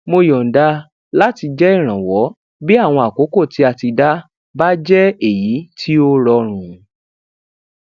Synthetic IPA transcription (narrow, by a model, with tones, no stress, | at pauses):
mo˧jɔ̃˨n̩˨da˧ | la˦ti˧d͡ʒɛ˦i˦˨ɾ̃ã˨wɔ˨˦ | bi˦a˦˨w̃ɔ̃˧a˨ko˨˦ko˦˨ti˧˦a˧ti˧da˦ | ba˦d͡ʒɛ˦e˦˨ji˨˦tʰi˦o˦ɾɔ˧ɾ̃ũ˧